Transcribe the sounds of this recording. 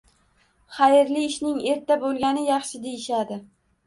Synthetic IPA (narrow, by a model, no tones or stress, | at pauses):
χajɪɾlɪːʃnɪŋe̞ɾt̪ːabolˠɡʲanɪjɑχʃɪd̪e̞jɪʃad̪ɪ